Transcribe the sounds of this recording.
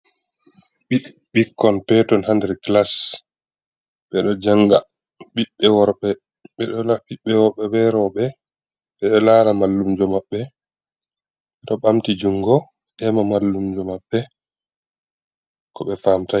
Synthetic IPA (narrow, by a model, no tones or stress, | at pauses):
ɓi | ɓikːɔnpɛtɔnhandɛɾklas | ɓɛɗɔd͡ʒaŋɡa̰ | ɓiɓːɛwɔɾɓɛ | ɓɛɗɔlaɓiɓːɛwɔɓɛɓɛɾɔɓɛ | ɓɛlaːɾamalːumd͡ʒɔmaɓːɛ | ɓɛɗɔɓamtid͡ʒuŋɡɔ | ʔɛmamalːumd͡ʒɔmaɓːɛ | kɔɓɛfamta